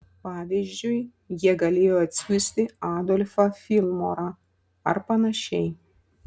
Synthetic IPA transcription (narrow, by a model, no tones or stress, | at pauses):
pɑːʋʲizʲd͡ʒʲʊj | jiɛɡɐlʲeːjoːɐt̪ʲsʲuːsʲt̪ʲɪaːd̪ɔlʲfɐfʲilˠmo̰ːɾa | ɐ̰ɾpɐnɐʃʲɛɪ